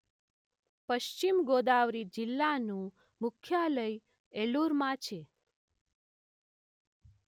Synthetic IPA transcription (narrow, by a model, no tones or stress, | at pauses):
pəʃt͡ʃimɡod̪aʋɾid͡ʒɪlːanũ | mʊkʰːjaləj | eluɾmãt͡ʃʰe